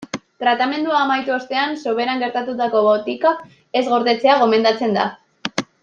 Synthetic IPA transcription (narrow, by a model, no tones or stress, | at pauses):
t̪ɾat̪ame̞nd̪uaːmajt̪uost̪e̞anso̞βe̞ɾaŋɡe̞ɾt̪at̪ut̪ako̞βot̪ika | e̞zɣo̞ɾðe̞t͡se̞aɣ̞o̞me̞nd̪at͡se̞nd̪a̰